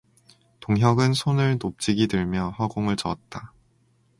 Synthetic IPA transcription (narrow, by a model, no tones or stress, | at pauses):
toŋɦjʌɡɯnsʰonɯɭnop̚t͡ɕ͈iɡidɯɭmjʌhʌɡoŋɯɭt͡ɕʌt̚t͈a